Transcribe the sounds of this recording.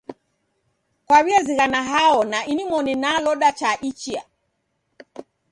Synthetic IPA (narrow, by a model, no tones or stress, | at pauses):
kwaβiaziɣanaɦaɔnaʔinimɔninalɔɗat͡ʃaʔit͡ʃia